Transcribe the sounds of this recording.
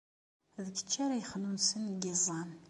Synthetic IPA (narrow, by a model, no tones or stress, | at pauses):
ðəɡə̥t͡ʃːaɾajəχnunsənɡizˤɑn